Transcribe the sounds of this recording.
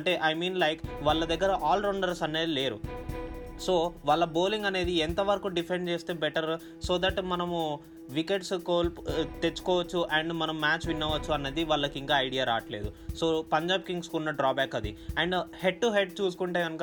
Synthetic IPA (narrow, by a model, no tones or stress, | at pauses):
ɐɳʈe̞ːʔɐjmiːnlɐjkʋaɭːɐd̪ɐɡːɐɾɐʔaːlɾoɳɖɐɾsɐnːe̞ːd̪ile̞ːɾṵ | so̞ːʋaːɭːɐbo̞ːliŋɡɐne̞ːd̪iɛnt̪ɐʋɐɾɐkuɖipʰeɳɖt͡ʃe̞ːst̪e̞ːbɛʈɐɾ | soːd̪ɐʈmɐnɐmu | ʋike̞ʈskoːlpt̪e̞t͡ʃːu̥kɔːʋɐt͡ʃːuʔɐɳɖmɐnɐmːmaːt͡ʃʋinːɐʋɐt͡ʃːuɐnːeːd̪iʋaːɭːɐkiŋkaːɐjɽijaːɾa̰ːʈle̞ːd̪usoːpɐɲd͡ʒaːbkiŋɡskunːɐɖɾaːbaːkɐd̪iɐɳɖhe̞ɖ̚ʈuɦe̞ɖ̚t͡ʃuːsu̥kuɳʈeːɡɐnukː